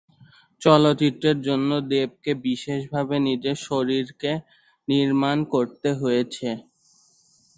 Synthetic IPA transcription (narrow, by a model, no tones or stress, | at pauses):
t͡ɕɔlot̪it̪ɾeɾd͡ʑonːod̪eb̚kebiʃeʃbʱabenid͡ʑeʃoɾiɾke | niɾmankoɾt̪eɦojet͡ɕʰe